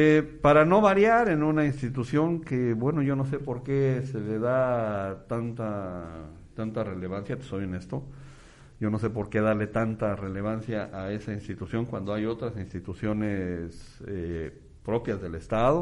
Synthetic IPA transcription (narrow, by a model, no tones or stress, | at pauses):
epaɾano̞βaɾjaɾenũnainst̪it̪usjo̞ŋkeβwe̞no̞ʝo̞no̞s̬epo̞ɾke̞sele̞ðat̪ant̪a | t̪ant̪are̞le̞β̞ansjat̪u̥soβjenest̪o̞ | ɟ͡ʝo̞no̞s̬e̞p̬o̞ɾke̞ðale̞t̪ant̪are̞le̞β̞ansjaʔae̞sainst̪it̪usjo̞ŋkwa̰nd̪o̞ajo̞t̪ɾasinst̪it̪usjo̞nese | pɾo̞pjazðe̞le̞st̪aðo̞